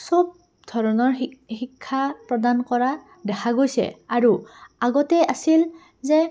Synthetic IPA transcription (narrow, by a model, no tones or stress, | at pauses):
sɔb̚ | dʱɔɹɔnɔɹxikʰːapɹɔdankɔɹa | dɛkʰaɡojsɛ̰aɹuaɡɔtɛasil | zɛ